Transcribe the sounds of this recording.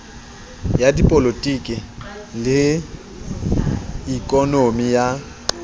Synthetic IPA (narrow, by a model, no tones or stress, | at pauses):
jadipʼolotʼikʼɪlɪ | ikʼɔnomija